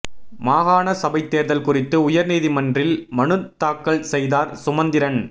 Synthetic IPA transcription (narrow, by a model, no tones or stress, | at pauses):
maːɣaːnɐsɐbɐɪt̪ːeːɾðɐlkʊrɪt̪ːɯʊjɐɾniːðimɐndrɪlmɐɳɯt̪aːkːɐɭsɛjðaːɾsʊmɐnd̪ɪɾɐn